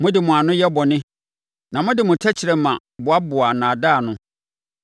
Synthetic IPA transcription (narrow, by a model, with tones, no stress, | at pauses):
mʊ̃˦dɪ˨mʊ̃˨a˨nʊ̃˦jɛ˦bɔ˨nɪ̃˦ | nã˨mʊ̃˦dɪ˨mʊ̃˨tʰɛ˦t͡ɕʰɪ˨ɾɛ˨mã˨ | bʊ˨a˦bʊ˨a˨nãː˨daː˦˨nʊ̃˦